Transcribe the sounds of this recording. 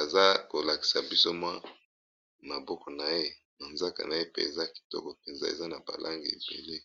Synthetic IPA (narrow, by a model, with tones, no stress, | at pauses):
a˨za˦ko˨la˨ki̥˨sa˨bi˦so˦mwa˦ | ma˨bɔ˦kɔ˨na˨je˦ | na˨nza˦ka̰˨na˨je˦pḛ˦e˨za˦ki̥˨tɔ̰˦kɔ˨pe˨nza̰˦ḛ˨za˦na˨ba̰˨lʔa˦ŋɡe˨ḛ˨bḛ˨le˦